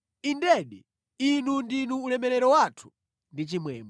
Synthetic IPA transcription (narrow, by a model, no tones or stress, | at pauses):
indɛɗi | inundinuːlɛmɛɾɛɾɔwatʰu̥ | ndit͡ʃimwɛ̰ːmbɔ